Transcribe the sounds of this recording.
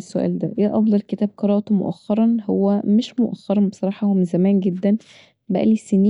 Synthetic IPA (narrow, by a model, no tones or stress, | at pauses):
sːoʔæ̰ːld̪æ̰ʔæʔɑfd̪ˤɑlket̪æːb̚qɑɾˤɑːʔt̪umo̰ʔæxːɑɾˤɑnhowːæmeʃmoʔæxːɑɾˤɑnbesˤɑɾˤɑːħɑhomzæmæːnɡed̪ːæn | bæ̰ʔæ̰liseniː